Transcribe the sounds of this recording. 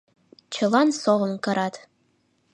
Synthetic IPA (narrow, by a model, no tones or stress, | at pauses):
t͡ɕʰə̆lˠɑnsoʁɤ̆nkɤ̆ɾɑt̪